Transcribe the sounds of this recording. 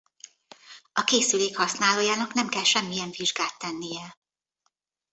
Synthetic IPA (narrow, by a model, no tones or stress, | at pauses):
ɒkeːsyleːkhɒsnaːloːjaːnɒknɛmkɛlʃɛmːijɛɱviʒɡaːt̪ːɛnːijɛ